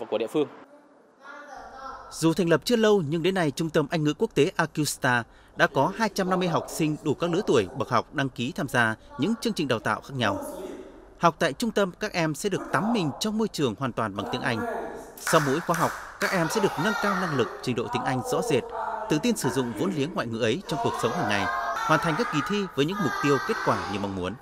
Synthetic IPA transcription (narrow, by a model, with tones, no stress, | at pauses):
ku˧˩ɗḭ˧˨fɨ˧əŋ | z̥u˨˩t̪ʰa˨˩ŋ̟lə˨˩p̚t͡ɕɨ˧ələ˧wɲɨ˧ŋɗe˨˦nːa˧jt͡ɕʊ˧ŋ͡mt̪ə˧mʔa˧ŋ̟ŋɨ̰˧˥ku˦˥ək̚t̪e˨˦ʔaː˧ku˧st̪aː˧ | ɗa̰ː˧˥kɔ˨˦ɦaː˧jt͡ɕa˧mna˧mː˧əjɦa˨˩wk͡p̚sï˧ŋ̟ɗu˧˩kaː˦˥k̚lɨ˧˥t̪u˧˩əjɓə˨˩k̚ha˨˩wk͡p̚ɗa˧ŋki˨˦t̪ʰaː˧mzaː˧ɲɨ̰˧˥ŋt͡ɕɨ˧əŋt͡ɕ̟ɗaː˨˩wt̪a̰ː˧˨wxaː˦˥k̚ɲa˧w | ha˨˩wk͡p̚t̪a̰ː˧˨jt͡ɕʊ˧ŋ͡mt̪ə˧mkaː˦˥k̚ʔɛ˧msɛ̰˧˥ɗɨ˨˩ək̚t̪a˨˦mːï˨˩ŋ̟t͡ɕɔ˧wŋ͡mmo˧jt͡ɕɨ˨˩əŋhwaː˨˩nt̪waː˨˩nɓa˨˩ŋt̪i˨˦əŋʔa˧jŋ̟sa˧wmṵ˧˥jxwaː˨˦ɦa˨˩wk͡p̚kaː˦˥k̚ʔɛ˧msɛ̰˧˥ɗɨ˨˩ək̚ŋa˧nkaː˧wna˧ŋlɨ˨˩k̚t͡ɕï˨˦ŋ̟ɗo̰˧˨t̪i˨˦əŋʔa˧jŋ̟zɔ̰˧˥ze˨˩t̚t̪ɨ̰˧˨t̪i˧nsɨ˧˩zʊ̰˧˨ŋ͡mvo̰˧˥nli˨˦ənŋwa̰ː˧˨ŋɨ̰˧˨ʔə˨˦jt͡ɕɔ˧wŋ͡mku˨˩ək̚sə˨˦wŋ͡mɦaː˨˩ŋːa˨˩jhwaː˨˩nt̪ʰŋkaː˦˥k̚ki˨˩t̪ʰi˧vəː˨˦jɲɨ̰˧˥ŋmʊ˨˩k͡p̚t̪i˧əwke˦˥t̚kwaː˧˩ɲɨ˧˩ma˧wŋ͡mmu˨˦ən